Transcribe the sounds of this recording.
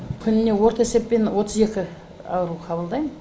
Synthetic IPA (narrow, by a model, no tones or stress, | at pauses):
kʲʰʏnɪne̞wo̞ɾt̪əese̞ppːe̞nwo̞t̪əze̞kʲɪ | ɑ̰wəɾuqʰɑbəlˠd̪ɑjmən